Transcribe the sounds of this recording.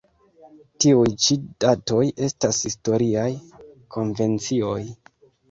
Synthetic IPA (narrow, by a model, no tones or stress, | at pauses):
tiujt͡ʃid̥atoje̞stashisto̞ɾiajkʰo̞nve̞nt͡sio̞j